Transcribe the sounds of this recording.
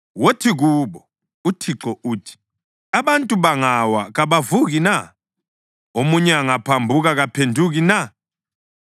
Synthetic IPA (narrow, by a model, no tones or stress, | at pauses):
wotʰiɣuːɓɔ | utʰiǁɔʔuːtʰi̥ | aβantʼuβaŋawaɣaβavuɣina | omuɲɛaŋapʰambʱuɣaɣapʰendʱuɣina